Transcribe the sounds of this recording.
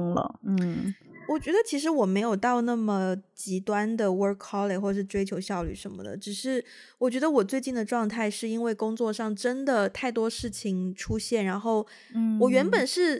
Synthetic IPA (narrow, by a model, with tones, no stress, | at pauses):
lə̰˧n̩˩wɔ˨˩t͡ɕɥɛ˧˥d̪ə˧t͡ɕʰi˧˥ʂ̬ɻ̩˧˥wɔ˨˩me˧˥ɪjo˨˩ʊt̪ɑ˥˧ʊna˥˩mə˨˩t͡ɕi˧˥t̪wa˥nd̪ə˨wə˥kʰːɑ˥le˨˩xwɔ˥˩ʂɻ̩˥˧ʈ͡ʂwe˥ɪt͡ɕʰjo˧˥ʊɕjɑ˥˧ʊly̰˥˩ʂə˧˥nmə̰˧d̪ə̰˩ʈ͡ʂɻ̩˨˩ʂɻ̩˥˩ | wɔ˨˩t͡ɕɥɛ˧˥d̪ə˧wɔ˨˩t͡swe˥˧ɪt͡ɕi˥˩nd̪ə˩ʈ͡ʂwɑ˥˧ŋt̪ʰa˥˧ɪʂɻ̩˥˩i˥nwe˥˩ɪkʊ˥ŋt͡swɔ˥˧ʂɑ˥˩ŋʈ͡ʂə˥nd̪ə˨˩t̪ʰa˥˩ɪt̪wɔ˥ʂɻ̩˥˩t͡ɕʰi˨˩ŋʈ͡ʂʰu˥ɕjɛ˥˩nɻa˧˥nxo˥˩ʊ | wɔ˨˩ɥɛ˧˥npə˨˩nʂɻ̩˥˩